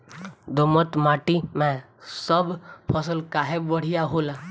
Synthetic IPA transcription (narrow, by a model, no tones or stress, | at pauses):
d̪ɔmɔt̪maʈimɛ̃ | sɔbʱpʰɔsɔlkaɦebɔɽ̤ijaɦola